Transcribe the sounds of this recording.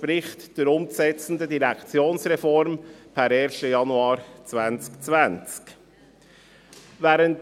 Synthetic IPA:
pɾɪχtd̥iɾʊmsɛt͡sn̩dədiʁɛkt͡sjoːnsʁɛfɔɾmpʰɛɾeːɾʃtəjɑnuɑːɾt͡svænt͡skt͡svænt͡sk | vɛːɾənt

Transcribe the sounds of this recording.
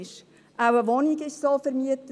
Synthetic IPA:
ʃ | ʔawəʋɔniɡɪʃsofəɾmiətə

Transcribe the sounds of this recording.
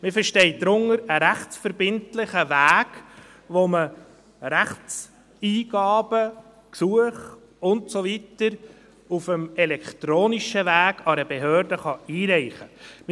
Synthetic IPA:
mɪfəɾʃtɛɪd̪ɾʊŋəɾəɾæχt͡sfəɾbɪntlɪχəvæːɡ̥ | ʋomə | ɾæχt͡s | iːɡ̥ɑːb̥ə | ksuəχ | ʊntsoʋitəɾ | ufəmɛlɛkt̪ɾoːniʃəʋæːɡ̥ɑɾəbeɦøːɾdəχɑiːɾɛɪχəmɪ

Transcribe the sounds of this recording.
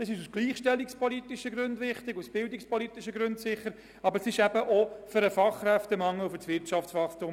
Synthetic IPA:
dɛsɪʃusɡ̥liːχʃtɛlːikspɔlit̪ɪʃəɡɾʉnd̪ʋɪχt̪ɪɡusb̥ɪld̪ikspɔlit̪iʃəɡɾʉntsɪχːəɾ | ɑbəɾsɪʃɛb̥əʔɔfʏɾəfɑχːɾɛft̪əmɑŋːəfʏsʋɪɾtɑft͡sfɑχt̪ʊm

